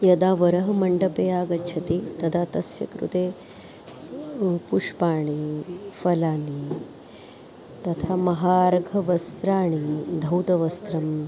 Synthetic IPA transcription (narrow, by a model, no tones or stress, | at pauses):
jɐd̪aːʋɐɾɐɦɐmɐɳɖɐpeːaːɡɐt͡ʃʰɐt̪it̪ɐd̪ʱat̪ɐsjɐ̰kɾṵt̪eː | puʂpaːɳ̃ifɐlaːni | t̪ɐt̪ʰamɐɦaːɾɐɡʱɐʋɐst̪ɾaːɳ̃id̪ʱɐwt̪ɐʋɐst̪ɾɐm